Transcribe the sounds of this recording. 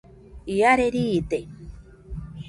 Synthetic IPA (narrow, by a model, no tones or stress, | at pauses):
iaɾeɾiːt̪e